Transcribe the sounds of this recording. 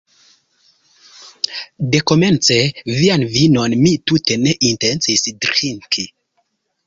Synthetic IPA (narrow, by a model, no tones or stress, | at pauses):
de̞ko̞me̞nt͡se̞vianvino̞nmitute̞ne̞ʔintent͡sisdɾiŋkʰi